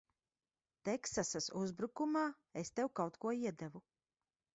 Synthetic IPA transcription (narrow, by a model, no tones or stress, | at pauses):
t̪ɛksasasuzbɾukumaː | est̪ewkawt̪kuɔiɛd̪ɛvu